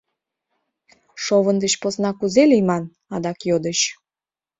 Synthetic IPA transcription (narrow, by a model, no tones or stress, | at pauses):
ʃoβənd̪ət͡ɕposnɑkuzelijmɑn | ɑd̪ɑkjod̪ət͡ɕ